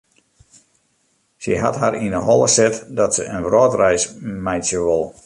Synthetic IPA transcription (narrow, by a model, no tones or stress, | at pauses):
səɦa̰tɦaɾindəɦɔlˠəsɛtdɔtsəənʋroːtrɛjsmɛjsjəʋolˠ